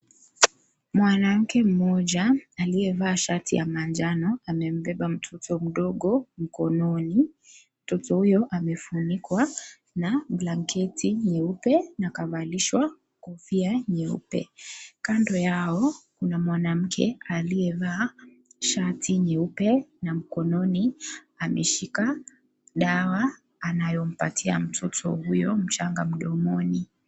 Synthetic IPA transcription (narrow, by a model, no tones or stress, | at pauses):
mwanam̩kɛm̩mɔʄaːliɛvaːʃatḭja̰mand͡ʒanɔamɛm̩bɛɓam̩tʰɔtʰɔm̩ɗɔɠɔm̩kɔnɔni | m̩tɔtɔhujɔʔamɛfunikwa | naɓlaŋkʰɛtʰiɲɛupɛnakavaliʃwa | kɔfiaɲɛṵpɛ̰kandɔjaɔkunamwanam̩kʰɛ̰aliɛvaː | ʃatʰiɲɛupɛnam̩kɔnɔni | amɛʃika | ɗawaː | najɔm̩patʰia̰m̩tʰɔtʰɔ̰hujɔm̩t͡ʃaŋɡam̩ɗɔmɔni